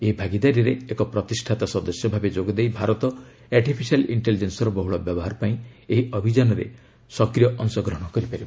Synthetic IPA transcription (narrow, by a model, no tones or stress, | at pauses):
eɦibʱaɡid̪aɾijɔɾeekɔpɾɔt̪isʈʰat̪asɔd̪ɔsjɔbʱabed͡ʒoɡɔd̪ejbʱaɾɔt̪ɔ | aɾʈipʰisaliɳʈelid͡ʒensɔɾɔbɔɦuɭɔbjɔbɔɦaɾɔpaĩeɦiɔbʱid͡ʒanɔɾḛ | sɔkɾijɔʔɔŋsɔɡɾɔɦɔ̃ɽ̃ɔkɔɾipaɾib